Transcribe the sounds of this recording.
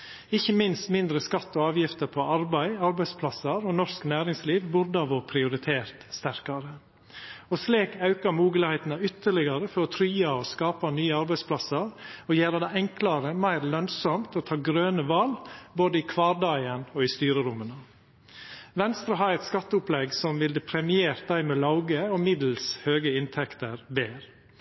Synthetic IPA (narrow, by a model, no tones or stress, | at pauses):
ɪçːəmɪnst̪mɪnd̪ɾəskɑt̪ːɔɑːʋjɪft̪əɾpʰɔɑɾbæɪɑɾbæɪspʰlɑsəɾɔnɔsknæːɾɪŋsliːʋbʊɾd̪əɑʋɔpʰɾɪʊɾɪt̪ʰeːɾt̪st̪æɾkɑɾə | ɔsleːkɑʉkɑɾmuːɡəlɪhæɪt̪nɑʏt̪ːəɭɪɡɑɾəfɔɾɔt̪ʰɾyːɑɔskɑːpɑnyːəɑɾbæɪspʰlɑsəɾɔjæːɾəd̪æɪɛŋklɑɾəmæɪɾlœnsɔmt̪ɔt̪ʰɑːɡɾøːnəʋɑlboːd̪əiːkʰʋɑːɾd̪ɑɪənɔist̪yːɾəɾʊmənɑ | ʋɛnst̪ɾɑɦɑːɾɛt̪skɑt̪ːəʊplɛɡsɔmʋɪld̪ɛpʰɾɛmɪeːɾt̪̚d̪æɪmɛlɑʊɡəɔmɪd̪l̩shøːɡəɪnt̪ʰɛkt̪əɾbeːɾ